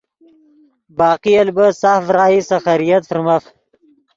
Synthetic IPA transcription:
bɑːqijɐlbəsafɾɑːisaxaɾijat̪fɾmaf

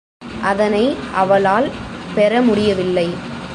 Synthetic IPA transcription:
ʔɐðɐnɐɪʔɐʋɐlaːlpɛɾɐmʊɽɪjɐʋɪlːɐɪ

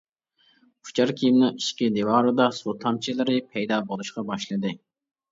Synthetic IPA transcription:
pʰu̥t͡ʃʰɑɾkʲʰijimnɨŋiʃkʲid̪ewɑːɾɨd̪ɑsut̪ʰɑmt͡ʃʰilɪɾɪpʰɛjd̪ɑbolˠuʃqɑbɑʃlˠɨd̪ɨ

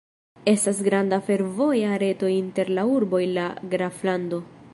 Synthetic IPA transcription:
e̞stasɡɾandafe̞ɾvo̞jaɾe̞to̞inte̞ɾlauɾbo̞ilaɡɾaflando̞

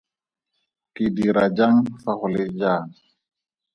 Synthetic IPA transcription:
pidiɾad͡ʒaŋfaχʊled͡ʒaːn

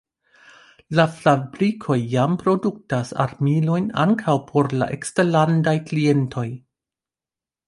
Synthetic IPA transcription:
laflabɾikʰo̞jːampɾo̞duk̚tasa̰ɾmilo̞jna̰ŋkʰawpʰo̞ɾla̰ʔekstelandajklie̞ntʰo̞j

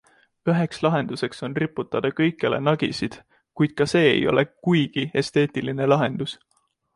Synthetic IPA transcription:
øɦe̞kslɑɦe̞nd̪̥use̞kso̞nripːˑut̪ːˑɑd̪̥ɑkɤjkːˑele̞̰nɑɡ̥isid̪̥ | kujd̪̥̚kɑse̞ːḛjo̞̰lʔe̞kujɡ̥ie̞st̪e̞ːt̪ʲiline̞lɑɦe̞nd̪̥us

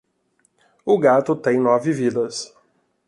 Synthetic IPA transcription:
ʊɡat̪ʊt̪ẽj̃nɔvɪvid̪ɐs

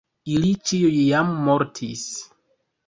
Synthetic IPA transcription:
ilit͡ʃiujjamːo̞ɾtʰis

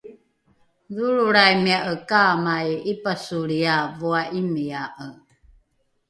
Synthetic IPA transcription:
ðuɾuɾajmiaʔəkamajipasuɾiavuaʔimiaʔə

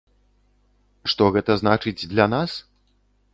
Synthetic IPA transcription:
ʂt̪ɔɣɛt̪ɐznat͡ʂɨd͡zʲd̪lʲanas

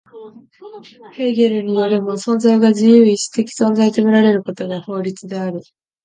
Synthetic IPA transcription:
he̞ːɡʲe̞ɾɯ̟ɲ̟ijo̞ɾʲimo̞sõ̞nzaiɡaʑijɯːisɨ̥t̪ekʲi̥sõ̞nzait̪e̞miɾaɾe̞ɾɯ̟ko̞t̪o̞ɡaho̞ːɾʲit͡sɨd̪e̞aɾɯ̟

